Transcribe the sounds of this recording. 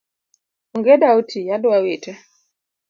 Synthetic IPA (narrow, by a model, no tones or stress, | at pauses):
ɔŋɡɛdautʰijadʊwawetɛ